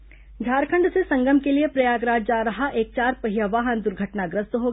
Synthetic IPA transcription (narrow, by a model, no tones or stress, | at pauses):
ɡʱaːɾkʰə̃ɳɖsesɐ̃ŋɡəmkeliepɾɐjaːɡɾaːd͡ʒd͡ʒaːɾɐɦaʔeːk̚t͡ʃaːɾpɐɦɪjaʋaːɦənd̪ʊɾɡʱəʈnaɡɾəst̪ɦoːɡ